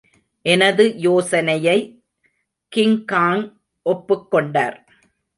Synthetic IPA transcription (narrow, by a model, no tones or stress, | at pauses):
ʔɛnɐðɯjoːsɐnɐjɐɪ | kɪŋkaːŋ | ʔɔpːɯkːɔɳɖaːɾ